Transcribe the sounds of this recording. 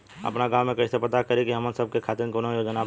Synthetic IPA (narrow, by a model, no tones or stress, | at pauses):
ɐ̰pnaɡãːwmẽkɐɪsepɐt̪akɐɾikiɦɐmənsəb̚kekʰaːt̪ɪɾnkonõjod͡ʒənaː